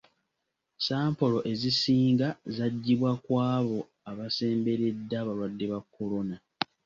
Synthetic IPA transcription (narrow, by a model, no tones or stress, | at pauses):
saːmpo̞lo̞ʔe̞zisiːŋɡazaɟːiβwakwaːβo̞ | aβase̞ːmbe̞ɾe̞dːaːβalwadːe̞βakːo̞lo̞na